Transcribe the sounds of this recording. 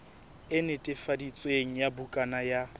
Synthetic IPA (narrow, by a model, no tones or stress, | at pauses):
ɪnɪtʼɪfadit͡sʼweŋ̩jabukʼanaja